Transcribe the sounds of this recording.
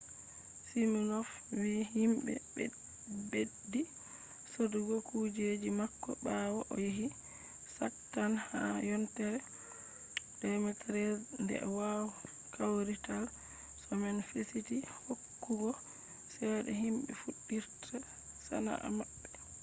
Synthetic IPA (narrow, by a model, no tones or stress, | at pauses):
siminɔf | wihimbɛ̰b | bedːi | soduɡɔkud͡ʒed͡ʒimakːɔ̰ɓawaʔɔjiɦi | saktːanhajɔntɛɾɛ | dɛmɛtɾɛndɛ̰wawɔ | kʰawɾital | sɔmɛnfesitihokːuɡɔ | sɛɗɛ̰ɦimɓɛ̰fuɗːiɾtʰa | sa̰na̰ʔa̰maɓːɛ